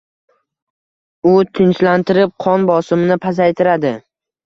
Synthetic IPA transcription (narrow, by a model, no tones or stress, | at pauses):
ʊt̪ʰɪnt͡ʃlant̪ɪɾɪp̚qʰɒnbɒsɪmɪnɪpʰazajt̪ʰɪɾad̪ɪ